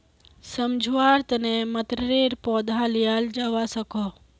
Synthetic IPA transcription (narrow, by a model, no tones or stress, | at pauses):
səmd͡ʒʱʋaːɾt̪ənemət̪ɾɾeːɾpoːd̪ʱalijaːld͡ʒaʋasəkoː